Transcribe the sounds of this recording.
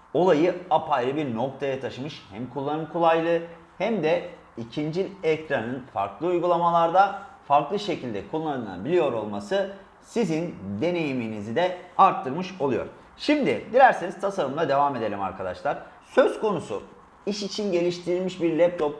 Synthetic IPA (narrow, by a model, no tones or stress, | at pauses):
o̞lˠajɯapʰajɾɯbiɾno̞k̚t̪ʰajat̪ʰaʃɯmɯʃhæmkʰulˠːanɯmkʰulˠajlˠɯ | hæmd̪ɛ | icʰind͡ʒilʲɛc̚t̪ɾanɯnfa̰ɾklˠɯujɡulˠamalˠaɾd̪afaɾklˠɯʃe̞cʰilʲd̪ɛkʰulˠːanɯna̰bilʲijo̞ɾo̞lˠmasɯ | sizind̪e̞ne̞jiminizid̪ɛaɾt̪ʰːɯɾmɯʃolˠujo̞̰ɾ | ʃimd̪ɪd̪ilʲæɾseniz̥t̪ʰasaɾɯmd̪ˠad̪e̞vaːme̞d̪e̞lʲima̰ɾkʰad̪a̰ʃlˠaɾ̥ | sø̞z̥ko̞nusṵ | iʃit͡ʃʰinɟe̞lʲiʃt̪ʰiɾilʲmiʃbiɾlʲɛp̚t̪ʰo̞p̚